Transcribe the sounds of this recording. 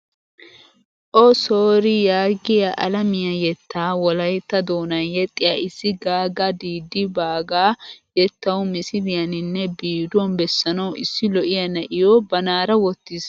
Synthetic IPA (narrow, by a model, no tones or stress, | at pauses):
ʔɔsoːɾɪjaːɡɪjɐʔɐlɐmɪjɐjɛt̪ːaːwɔlɐjt̪ːɐd̪oːnɐjɛt̪ʼːɪjaɪsːɪɡaːɡɐd̪iːd̪ːɪbaːɡaːjɛt̪ːɐwʊmɪsɪlɪjɐnɪnːɛbiːd̪ɔnbɛsːɐnɐwʔɪsːɪlɔʔɪjɐnɐʔɪjoːbɐnaːɾɐwɔt̪ːɪs